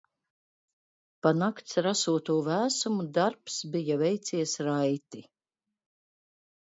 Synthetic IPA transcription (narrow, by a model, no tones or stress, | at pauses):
panakt̪sɾasuɔt̪uɔvæːsumud̪aɾpsbijavɛjt̪siɛsɾajt̪i